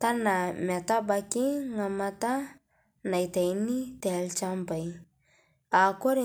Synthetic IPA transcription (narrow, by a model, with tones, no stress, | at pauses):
ta˦na˨mɛ˨ta˦ba˧ki˦ŋa˨ma˧ta˦ | na˨jta˨jni˦tɛ˨lt͡ʃa˦mba˨j | a˨ko˦ɾi˦